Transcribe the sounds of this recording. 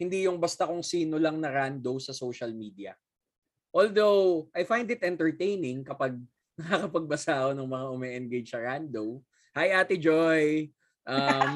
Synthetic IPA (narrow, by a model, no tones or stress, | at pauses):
hɪnd̪ijʊŋbɐst̪ɐkʊŋsiːnolɐŋnɐɾand̪owsɐsowʃɐlmiːd̪iɐ̰ | ʔoːld̪owʔajfajnd̪ɪt̪̚ʔɛnt̪ɛɹt̪ejnɪŋkɐpɐɡ̚ | nɐkakɐpɐɡ̚bɐsaːʔonɐŋmɐŋaʔʊmɛʔɛnɡejd͡ʒsɐɾand̪ow | hajʔaːt̪ɪd͡ʒoj | ʔɐm